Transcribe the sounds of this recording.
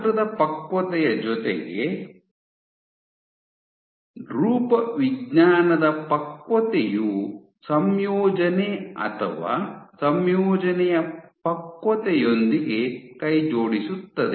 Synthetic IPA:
ɐd̪ɐpɐkʋɐt̪ɛjɐd͡ʒɔt̪ḛɡḛ | ɾuːpɐʋiɡɲaːnɐd̪ɐpɐkʋɐt̪eju | sɐmjɔːd͡ʒɐneɐ̰t̪ʰɐ̰ʋa̰ːsɐmjɔːd͡ʒɐnɛjɐpɐkʋɐt̪ɛjo̞nd̪iɡe̞kɐjd͡ʒoːɽisut̪ːɐd̪e

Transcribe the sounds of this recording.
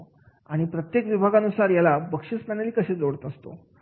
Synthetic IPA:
aɽ̃ipɾət̪jekʋibʱaɡanusaɾjalabəkʂispaneliːkəɕed͡zoɽt̪əst̪o̰

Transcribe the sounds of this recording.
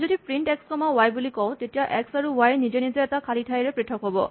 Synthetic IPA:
zodipɹinʈɛkskɔmawajbulikɔʊ̃tetijaʔɛksaɹuwajnizenizeɛtakʰalitʰajɹɛpɹitʰɔkɦobɔ̰

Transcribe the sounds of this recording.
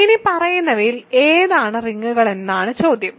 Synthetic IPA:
inipɐrɐjunːɐʋileːðaːɳɨriŋːuɣɐɭe̞nːaːɳɨt͡ɕoːd̪ʱjɐm

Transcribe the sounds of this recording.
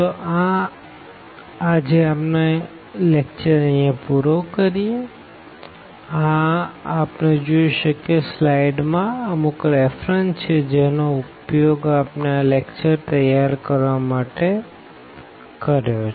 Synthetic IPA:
t̪oʔã | ad͡ʒeapne | lek̚t͡ʃəɾəijãpuɾokəɾije | ãapned͡ʒoiʃəkeslaiɖmãəmukɾefɾənt͡ʃʰed͡ʒenoupjoɡapnalekt͡ʃəɾt̪əjaɾkəɾʋamaʈe | kəɾjot͡ʃʰ

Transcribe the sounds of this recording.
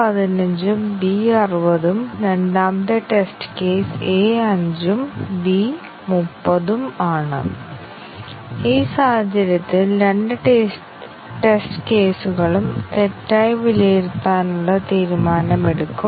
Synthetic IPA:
ɐðinɐɲd͡ʑumbiɐrubɐðumɾe̞nɖaːmd̪eʈesʈɨ̥ke̞ːseːɐɲd͡ʑumbi | mupːɐðumaːɳɨ̰ | iːsaːhɐd͡ʑɐɾjɐt̪ːilɾe̞ɳɖɨʈ | ʈe̞sʈɨ̥ke̞ːsuɣɐɭumt̪etːaːjʋilejiɾt̪ːaːnuɭːɐt̪iːɾumaːnɐme̞ɽukːum

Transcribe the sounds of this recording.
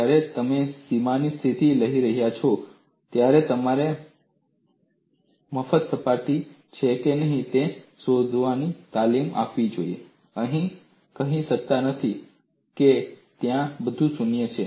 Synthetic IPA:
aɾet̪əmesimanist̪ʰit̪iləɦiɾəɦjat͡ʃʰɔ | t̪jaɾet̪əmaɾe | məfət̪səpaʈ̪i | t͡ʃʰekenəɦĩt̪esod̪ʱʋanit̪alima̰pʋid͡ʒoiḛ | əɦĩ | kəɦĩʃək̚t̪anət̪ʰi | ket̪jãbəd̪ʱũsunjət͡ʃʰe

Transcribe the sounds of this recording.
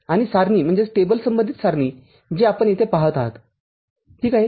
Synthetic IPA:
aɽ̃isaɾniːm̤əɳd͡zesʈebəlsəmbənd̪ʱiːt̪saɾniː | d͡ʑeapəɳet̪epaɦət̪aɦə̰t̪ | ʈiːkaɦi

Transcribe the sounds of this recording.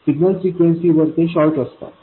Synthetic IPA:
siɡnəlsikʋeɳsiʋəɾt̪eɕɔɾʈəst̪a̰

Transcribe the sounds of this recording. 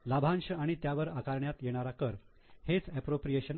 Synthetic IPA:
labʱanɕəaɽ̃it̪jaʋəɾakaɾɳjat̪jeɽ̃aɾakəɾ | het͡sɛpɾopɾijeɕən

